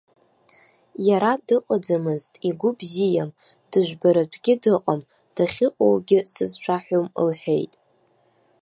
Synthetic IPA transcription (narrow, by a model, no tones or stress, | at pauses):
jaɾadɨqʷʼad͡zamɨztʼiɡʷʊbzijam | d̥ɨʒᶣʷbaɾatʷʰɡʲɪdɨqʼam | d̥aχʲɪqʼo̰wɡʲɪsɨzʃʷᶣʰaħʷomə̰lħʷᶣe̞̰jtʼ